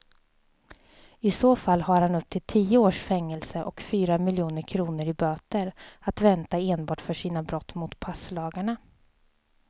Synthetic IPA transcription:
ɪsoːfalːhaɾhanɵp̚t̪ʰɪlt̪ʰiːəoːʂfɛŋːɛlsəʔɔkfyːɾamɪljuːnəɾkʰɾuːnəɾɪbøːt̪əɾat̪vɛnt̪aeːnbɑːʈfœʂiːnabɾɔt̪ːmʊt̪pʰaslɑːɡaɳa

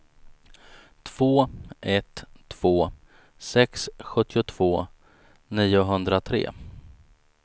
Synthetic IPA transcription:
t̪ʰv̥oːʔɛt̪ʰːv̥oː | sɛksɧɵt̪ːɪʊt̪ʰv̥oː | niːʊɦɵnd̪ɾat̪ʰɾḛː

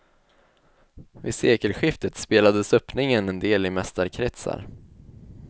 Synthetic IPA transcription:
vɪseːkəlɧɪft̪ət̪speːlad̪əsɵpnɪŋənɛnd̪eːlɪmɛst̪aɾkʰɾɛt̪sa̰ɾ

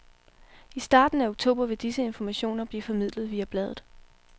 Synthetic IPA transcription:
isd̥ɑ̈ːd̥n̩æoɡ̥̚t͡sʰo̝̰ːb̥ɐʋe̝d̥isəe̝nfɒmæɕo̝̰ːnɐb̥lḭːfɒ̽mið̰ˠləðˠʋiːæb̥lɛð̞ˠð̩ˠ

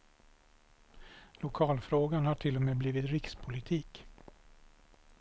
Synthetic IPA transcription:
lʊkʰɑːlfɾoːɡanhaʈʰɪlːɔmeːbliːvɪt̪ɾɪkspʰʊlɪt̪ʰiːk

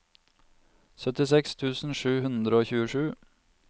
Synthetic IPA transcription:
sœt̪ɪsɛkst̪ʰʉːsn̩ʃʉːhʉnd̪ɾəoːçʉːəʃʉː

